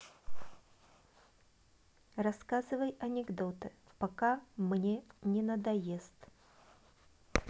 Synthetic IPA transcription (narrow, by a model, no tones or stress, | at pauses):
rɐskazɨvəjɐnʲɪɡd̪ot̪ɨpɐkamnʲenʲɪnəd̪ɐjest̪